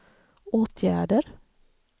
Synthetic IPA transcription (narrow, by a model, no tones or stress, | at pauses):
ʔoːt̪ʰjæ̰ːɖəɾ